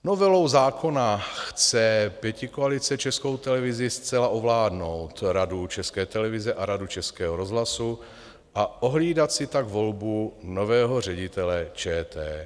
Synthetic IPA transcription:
no̞vɛlo̞wzaːkʰo̞naxt͡sɛpjɛcɪkoalɪt͡sɛt͡ʃɛskowt̪ɛlɛvɪzɪst͡sɛlaʔo̞vlaːdno̞wt̪ɾadut͡ʃɛskɛːt̪ɛlɛvɪzɛʔaɾadut͡ʃɛskɛːɦoɾo̞zɦlasu | ʔaʔo̞ɦliːdat̪sɪt̪aɡvo̞lbuno̞vɛːɦo̞r̝ɛɟɪt̪ɛlɛt͡ʃɛːt̪ɛː

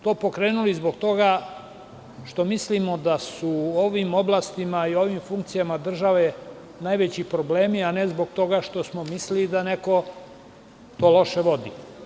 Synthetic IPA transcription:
t̪oːpo̞kɾeːnulizbo̞ɡt̪o̞ɡa | ʃt̪o̞mislimo̞d̪asuoʋimo̞blˠaːst̪imaio̞ʋimfuŋk̚t̪sijamad̪r̩ʒaʋe̞ | najʋet͡ɕipɾo̞bleːmianezbo̞ɡt̪o̞ɡaʃt̪o̞smomislilid̪aneko̞ | t̪o̞ːlˠo̞ʃeʋo̞d̪ḭ

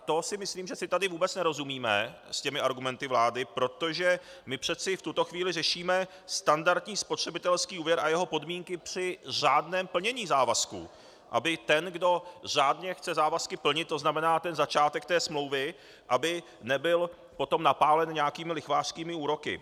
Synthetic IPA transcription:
t̪o̞sɪmɪsliːmʒɛsɪt̪adɪvuːbɛt͡snɛɾo̞zumiːmɛ̰ | scɛmɪʔaɾɡumɛnt̪ɪvlaːdɪpɾo̞t̪o̞ʒɛmɪpr̝̥ɛt̪t͡sɪft̪ut̪o̞xviːlɪrɛʃiːmɛ | st̪andaɾt̪ɲiːspot̪r̝̥ɛbɪt̪ɛlskiːʔuːvjɛɾʔajɛɦo̞po̞dmiːŋkɪpr̝̥ɪʒaːdnɛːmpl̩ɲɛɲiːzaːvaskṵ | ʔa̰bɪt̪ɛnɡdo̞ʒaːdɲɛxt͡sɛzaːvaskɪpl̩ɲɪt̪t̪ːo̞znamɛnaːt̪ɛnzat͡ʃaːt̪ɛkt̪ɛːsmlowvɪ | ʔabɪ | nɛbɪl | po̞t̪o̞mnapaːlɛnɲɛjakiːmɪlɪxvaːr̥kiːmɪuːɾo̞kɪ̰

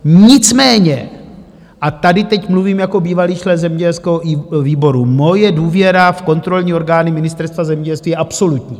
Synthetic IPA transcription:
ɲɪt͡smɛːɲɛ | ʔat̪adɪt̪ɛcmluviːmjako̞biːvaliːt͡ʃlɛnzɛmɛɟɛlskɛɦoviːbo̞ɾumo̞jɛduːvjɛɾafko̞nt̪ɾo̞lɲiːo̞ɾɡaːnɪmɪnɪst̪ɛɾst̪vazɛmɲɛɟɛlst̪viːjɛʔapso̞lut̪ɲiː

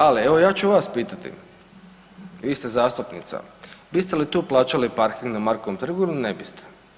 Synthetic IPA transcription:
alieʋo̞jaːt͡ɕuʋaːspiːt̪at̪ḭ | ʋiːst̪ezaːst̪upnḭt̪sa̰bist̪elit̪uːplˠaːt͡ɕalipaɾkiŋɡnamaɾkoʋomt̪ɾr̩ɡuilinebist̪ʰe̥

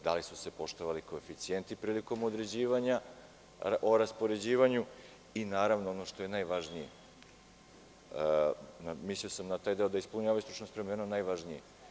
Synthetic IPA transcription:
d̪alisuse̞po̞ʃt̪oʋaliko̞efit̪sijent̪ipɾiːliko̞mo̞d̪ɾe̞d͡ʑiːʋaɲa | ʔoɾaspo̞ɾe̞d͡ʑiːʋaɲu | inaːɾaʋnoonoʃt̪o̞je̞najʋaʒnijḛ | namislio̞samnat̪aːjd̪e̞od̪aispuɲaːʋajust̪ɾut͡ʃnospɾemenonajʋaʒnije

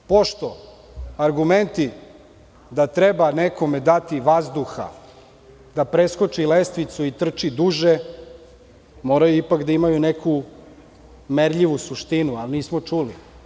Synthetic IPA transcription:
po̞ʃt̪o | aɾɡume̞nt̪i | d̪at̪ɾebaneko̞med̪at̪iʋazd̪uxa̰ | d̪apɾe̞sko̞t͡ʃilest̪ʋit̪suit̪r̩t͡ʃid̪uʒe | mo̞ːɾajuipakd̪aimajunekʰu | meɾʎiʋusuʃt̪inualniːsmot͡ʃuli

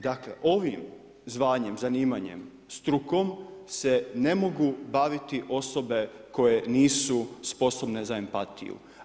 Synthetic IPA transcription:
d̪akle̞̰ʔo̞ʋim | zʋaːɲemzaniːmaɲe̞̰m | st̪ɾuko̞mse̞ne̞mo̞ɡubaʋit̪iʔo̞so̞be̞ko̞je̞niːsuspo̞so̞bne̞zaempat̪ḭjṵ

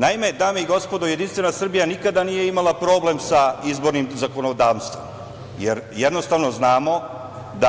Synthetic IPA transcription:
naime̞d̪aːmeiɡo̞spod̪oje̞d̪inst̪ʋe̞nasr̩bijanikad̪anije̞imalˠapɾo̞ːble̞msaizbo̞ɾnimzako̞nod̪aːʋst̪vo̰m | jeɾjed̪no̞st̪aʋno̞znaːmo̞ | d̪a

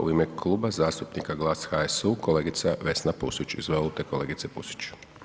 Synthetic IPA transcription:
ṵimekʰluːbazaːst̪upnikaɡlˠaːsxaesukoleːɡit̪saʋe̞snapusit͡ɕḭzʋeut̪ekole̞ːɡit̪sepusi̥t͡ɕ

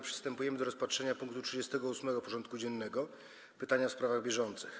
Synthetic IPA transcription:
pʂɘ̥st̪ɛmpujɛmɘd̪ɔɾɔspatʂɛɲapuŋkt̪utʂɘd͡ʑɛst̪ɛɡɔusmɛɡɔpɔʐɔnt̪kud͡ʑɛnːɛɡɔ | pɘt̪aɲafspɾavaɣbʲjɛʐɔnt̪sɘx

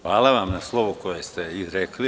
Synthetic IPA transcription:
ʋaːlaʋamnaslˠo̞ʋukojest̪eizɾekli

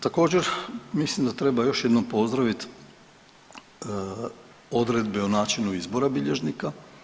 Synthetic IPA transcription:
t̪ako̞ːd͡ʑe̞ɾmislimd̪at̪ɾe̞bajo̞ʃjed̪no̞mpo̞zd̪ɾaʋit̪ | o̞d̪ɾe̞d̪beonaːt͡ʃinuizbo̞ɾabiʎe̞ʒnika

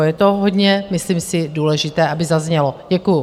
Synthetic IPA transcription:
jɛt̪oɦodɲɛmɪsliːmsɪduːlɛʒɪt̪ɛːʔabɪzazɲɛloɟɛkujʊ

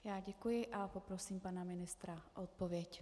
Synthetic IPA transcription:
jaːɟɛkujɪʔapo̞pɾosiːmpanamɪnɪst̪ɾaʔot̪̚povjɛc

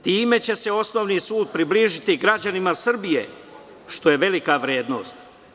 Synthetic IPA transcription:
t̪iːme̞t͡ɕe̞se̞o̞sno̞ʋnisuːd̪̚pɾibliːʒit̪iɡɾad͡ʑanimasr̩bije | ʃt̪o̞je̞ʋe̞likaʋɾe̞ːd̪no̰ːst̪

